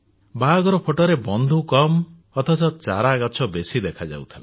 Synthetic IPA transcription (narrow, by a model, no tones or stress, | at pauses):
baɡɔɾɔpʰoʈɔɾebɔnd̪ʱukɔm | ɔt̪ʰɔsɔt͡ʃa̰ɾaɡat͡ʃʰɔbesid̪ekʰad͡ʒa̰wt̪ʰila